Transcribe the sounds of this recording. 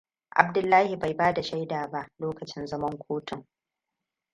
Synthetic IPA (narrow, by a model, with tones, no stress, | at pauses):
ʔa̰˨b̚dʊ˦lːaː˦hi˨ba˨jbaː˦da˨ʃa˦jdaː˨ba˦ʔloː˦kɐ˨t͡ʃɪ˦nzɐ˦mɐ˦ŋkʷʰoː˦tʊ˨ŋ